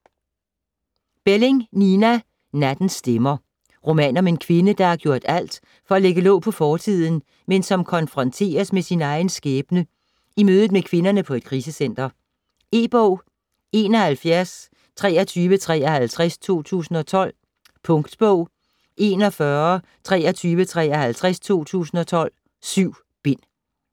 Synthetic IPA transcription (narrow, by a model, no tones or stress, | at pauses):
b̥ele̝ŋninæ | næd̥n̩sd̥emɐ | ʁo̝mɛ̰ːnɒ̽me̝nkʰʋe̝nəd̥ɑ̈æɐɡ̥jo̝ɐ̰d̥æl̰d̥ | fɒ̽æleɡ̥əlɔ̽ːʊpʰɒ̽fɒːt͡sʰið̞̰ˠn̩ | mensɒ̽mkʰɒ̽nfʁɒ̽nt͡sʰe̝̰ːɐsmesinɑ̈ɪn̩sɡ̥eːb̥nə | imøːð̩ˠmekʰʋe̝nɐnəpʰɒ̽e̝d̥kʰʁiːsəsen̰d̥ɐ | e̝̰ːb̥ɔʊ̰ | e̝ːnɒ̽hælfjæɐs | t͡sʰʁɛ̰ːɐt͡sʰyːʋət͡sʰʁɛ̰ːɐhælt͡sʰʁast͡sʰo̝̰ːt͡sʰṵːsn̩ɒ̽t͡sʰɒ̽l̰ | pʰɔ̽ŋɡ̥d̥b̥ɔʊ̰ | ʔe̝nɒ̽fɶɐ | t͡sʰʁɛ̰ːɐt͡sʰyːʋət͡sʰʁɛ̰ːɐhælt͡sʰʁast͡sʰo̝̰ːt͡sʰṵːsn̩ɒ̽t͡sʰɒ̽l̰ | syʊ̰ | b̥e̝n̰